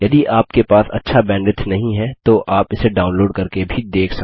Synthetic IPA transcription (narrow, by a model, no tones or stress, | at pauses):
jɐd̪iaːp̚kepaːsɐ̰tːʃʰabɛ̃ːɳɖɪʈnɐɦĩɦɛt̪oʔʔaːpɪseɖaːʊ̃nloːɖkɐɾkebʱid̪eːkʰsɐ